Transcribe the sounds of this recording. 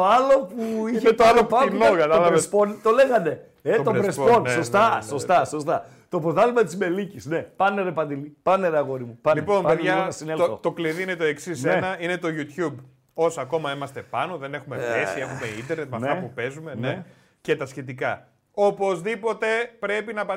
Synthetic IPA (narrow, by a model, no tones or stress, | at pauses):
t̪oɐlopuiçet̪aloɐnokɐt̪ɐlɐvespont̪o̞leɣɐd̪e̞ | et̪obɾesposost̪ɐsost̪ɐsost̪ɐ | t̪o̞poðɐlumet̪izme̞licisne̞pɐneɾepɐnd̪ilipɐneɾeɐɣo̞ɾimupɐlipo̞nɐpeðʝɐnɐsinelθot̪o̞kliðiinet̪o̞eksisenɐinet̪o̞ʝut̪çub | o̞sɐko̞mɐimɐst̪e̞pɐno̞ðe̞nexumefesiexumeint̪eɾnet̪meɐfneɐpupe̞zume̞ne | cet̪ɐsçe̞t̪ikɐ | opo̞zðipo̞t̪e̞pɾe̞pinɐpɐ